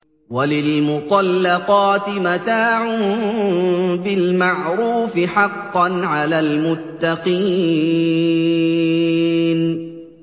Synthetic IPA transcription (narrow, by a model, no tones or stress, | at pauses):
walɪlmʊt̪ˤɑlːɑqɑːt̪ɪmat̪aːʕʊn | bɪlmaʕɾuːfɪħɑqːɑnʕalaːlmʊt̪ːɑqiː | n